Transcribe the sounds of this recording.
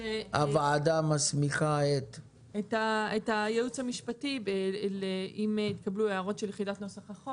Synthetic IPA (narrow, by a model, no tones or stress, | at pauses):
eavaadamasmiχaet̪ | etaetajeut͡shamiʃpatibeleimit̪kablueaʁo̞tʃeljχidatnosaχaχo